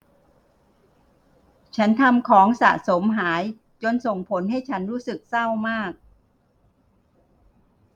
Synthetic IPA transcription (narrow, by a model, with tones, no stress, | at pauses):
t͡ɕʰa˦˥nt̪ʰa˧mkʰɔː˩˦ŋsa̰˨˩so˩˦mɦaː˩˦j | t͡ɕo˧nso˨˩ŋpʰo˩˦nha˥˩jt͡ɕʰa˦˥nɾuː˦˥sɯ˨˩k̚sa˥˩wmaː˥˩k̚